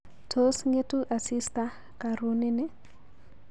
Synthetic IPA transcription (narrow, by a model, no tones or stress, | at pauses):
tʰosŋetʼuʔasista | kaɾunɪnɪ